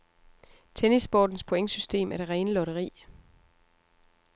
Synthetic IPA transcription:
t͡sʰenisb̥ɒ̰ːd̥n̩spʰo̝eŋsysd̥e̝̰ːmʔæɐd̥e̝ʁɛːnəlɒ̽ɾɐʁḭː

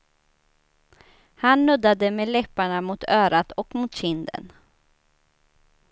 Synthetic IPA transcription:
hanːɵd̪ad̪əmeːlɛpːaɳamʊt̪ʰœːɾat̪ɔkmuːt̪ɕɪnd̪ə̰n

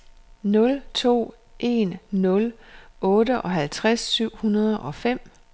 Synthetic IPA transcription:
nɔ̽lt͡sʰo̝̰ː | ʔe̝nːɔ̽lʔɔ̽ːdəʔɒ̽ɦælt͡sʰʁasːyʊ̰hunɐð̞ˠʔɒ̽fem̰

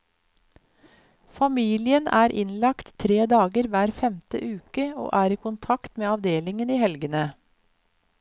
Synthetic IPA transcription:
fɑmiːlɪənʔæːɾʔɪ̰nlɑkt̪ʰːɾeːd̪ɑːɡəɾʋæːɾfɛmt̪ə̰ʔʉːkəo̰ːʔæːɾiːkʊnt̪ʰɑkt̪meːɑʋd̪eːlɪŋəniːhɛlɡənə

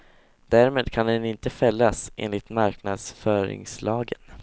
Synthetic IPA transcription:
d̪æɾmeːd̪kʰand̪ɛnɪnt̪əfɛlːasʔḛːnlɪt̪maɾknad̪sfœːɾɪ̰ŋslɑːɡən

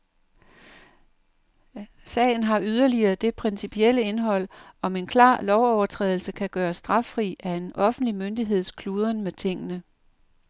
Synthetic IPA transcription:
sɛ̰ɪn̩ɦɑ̈yð̞ˠɐliɐːd̥e̝pʰʁɛnsipʰiel̰əe̝nɦɒ̽l̰ɒ̽me̝nkʰlɑ̰̈ːlɒʊɒʊɐt͡sʰʁɛ̰ːðˠl̩səkʰæɡ̥ɶːɐsd̥ʁɑ̈fʁḭːæe̝nɒ̽fn̩dlimønd̥iɦe̝ð̞̰ˠskʰluːð̞ˠɐnmet͡sʰe̝ŋ̰ənə

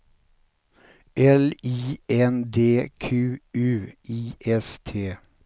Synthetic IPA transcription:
ʔɛliːɛnd̪eːkʰʉːʉːʔiːʔɛst̪ʰeː

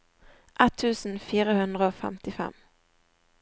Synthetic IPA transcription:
ʔɛt̪ʰːʉːsn̩fiːʁəhʉnd̪ʁəoːfɛ̰mt̪ɪfɛ̰m

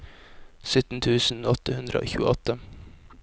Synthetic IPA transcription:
sʏt̪n̩t̪ʰʉːsn̩ɔt̪əhʉnd̪ɾəo̰ːçʉːəʔɔt̪ə

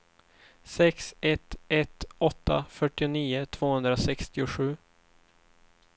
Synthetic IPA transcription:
sɛksɛt̪ɛt̪ɔt̪ʰːa̰fœʈːɪʊniːʊt̪ʰv̥oːhɵnd̪ɾasɛkst̪ɪʊɧʉ̟ː

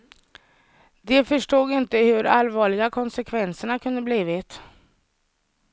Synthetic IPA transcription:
d̪ɛfœʂʈuːɡɪnt̪əhɵɾʔa̰lvɑːɭɪɡakʰɔnsɛkʰvɛnsəɳakʰɵnd̪əbliːvɪt̪

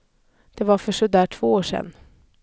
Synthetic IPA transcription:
d̪̥ɛvaɾfœʂɔd̪æːʈʰv̥oːoːʂɛ̰nː

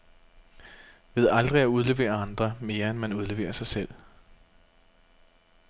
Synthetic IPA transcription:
ʋe̝ð̞̰ˠɑ̈ld̥ʁiæuð̞ˠle̝ʋe̝̰ːɐɑ̈nd̥ʁɐme̝ːɐenmænuð̞ˠle̝ʋḛːɐsɑ̈ɪsel̰

